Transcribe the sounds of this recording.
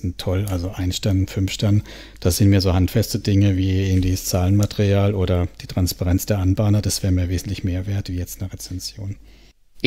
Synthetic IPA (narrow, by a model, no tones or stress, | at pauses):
n̩tʰɔlalzoʔaɪnʃtanfʏnfʃtan | d̥asz̥ɪntmiːɐzoːhantfɛstədɪŋəviːɪɐɡŋ̩tv̥içst͡saːlənmateʁiaːlʔoːɾɐd̥iːtʁ̥anspaʁɛnt͡sd̥eːɐʔanbaːnɐd̥asv̥ɛːʁəmiːɐveːzn̩tlɪçmeːɐveːɐtv̥iːjɛt͡stnəʁɛt͡sɛnzjoːn